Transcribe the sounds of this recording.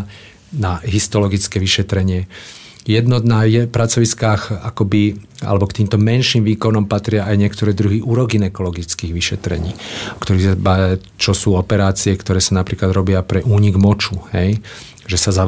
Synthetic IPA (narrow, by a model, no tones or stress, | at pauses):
naɦist̪ɔlɔɡit͡skɛːʋiʃɛt̪ɾɛɲɪɛ | jɛd̪nɔnajɛpɾat͡sɔʋiskaːxakɔbia̰lɛbɔkt̪iːmt̪ɔmɛnʃiːmʋiːkɔnɔmpat̪ɾɪaajɲɛkt̪ɔɾɛːd̪ɾuɦiʔuːɾɔɡinɛkɔlɔɡit͡skiːɣʋiʃɛt̪ɾɛ̰ɲiːkt̪ɔɾiɣsabaa | t͡ʃɔsuːɔpɛɾaːt͡siɛkt̪ɔɾɛːsanapɾiːklad̪ɾɔbɪapɾɛʔuːɲiɡmɔt͡ʃuhɛj | ʒɛsaza